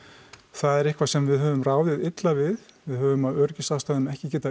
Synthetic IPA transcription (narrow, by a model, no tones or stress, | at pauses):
θaðɛɾɪhkvasɛmvɪðɦœːvʏmraːwðɪðɪt̪lavɪðvɪðhœːvʏmaðœɾcɪsawst̪aɣɪnɛhcɪcɛːt̪a